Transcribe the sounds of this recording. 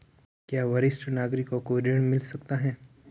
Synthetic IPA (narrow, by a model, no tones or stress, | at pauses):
kjaːʋɐɾɪsʈnaːɡɾikokoːɾeɽ̃mɪlsɐk̚t̪aɦɛː